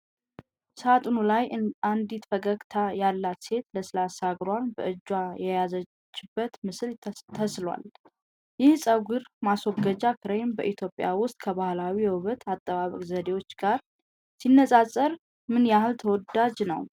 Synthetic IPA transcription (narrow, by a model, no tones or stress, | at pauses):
sat̪ʼunulajand̪it̪fəɡəɡʼt̪ʰajalːat̪se̞t̪ləsɨlasaɡɾwanbə̰ʔɨd͡ʒːwajɛjazə | t͡ʃːɪbːət̪mɨslt̪ʰəslwa̰l | jɪhsʼəwɡɨɾmaswɔɡəd͡ʒakʰɨɾejmbə̰ʔit̪ʰjo̞pʼːja̰wʊst̪ʼkʰəβahlawijɛwʊβət̪ʰat̪ʼːəβaβə̰kʼzəd̪e̞wot͡ʃːɡ̥aɾ | sinːəsʼasʼːəɾ | mɨnjahɨlt̪ʰəwɔd̪ad͡ʒnə̰w